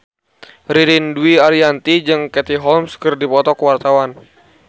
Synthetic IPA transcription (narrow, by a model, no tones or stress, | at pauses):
riɾinduiaɾiant̪id͡ʒɨŋkɛt̪iɦɔlmskɨrdipɔt̪ɔkəwart̪awan